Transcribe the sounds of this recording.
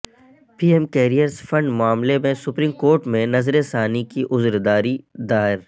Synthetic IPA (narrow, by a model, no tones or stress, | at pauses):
piːemkeːɾijəɾzfɐ̃ɳɖmʊaːmlemẽsʊpɾiːmkoːɾʈmẽnɐzɾesaːnikiʔʊzɾd̪aːɾid̪aːɪɾ